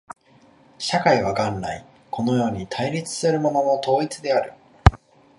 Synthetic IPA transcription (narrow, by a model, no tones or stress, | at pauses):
ɕakaiβ̞aɡãnːai | kʰo̞no̞jo̞ːɲ̟it̪ʰaiɾʲit͡sɨ̥sɨɾɯ̟mo̞nonot̪o̞ːit͡sɨd̪e̞aɾɯ̟